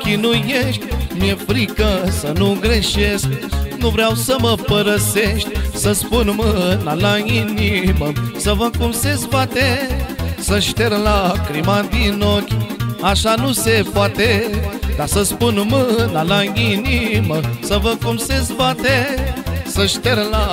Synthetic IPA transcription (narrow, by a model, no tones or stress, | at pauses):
kinujeʃtmefɾikɐsɐnuɡɾeʃesnuʋɾjawsəmɐpəɾɐseʃtsɐspunmənalajinimɐsɐʋɐkumsesbat̪e | səʃt̪eɾlakɾimãd̪inokʲaʃanusepat̪ed̪asɐspunmənalãɡinimɐsəʋɐkumsesbat̪e | səʃt̪eɾla